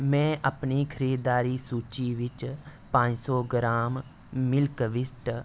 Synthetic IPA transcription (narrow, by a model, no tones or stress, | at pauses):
mɛ̃ːʔɐpnikʰəɾiːd̪aːɾisuːt͡ʃiʋɪt͡ʃpãːɲd͡ʒsɔːɡɾaːm | mɪlkʋɪsʈ